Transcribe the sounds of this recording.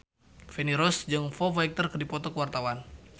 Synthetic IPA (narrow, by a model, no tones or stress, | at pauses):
feniɾɔsd͡ʒɨŋfɔfaik̚t̪ərkərdipɔt̪ɔkəwart̪awan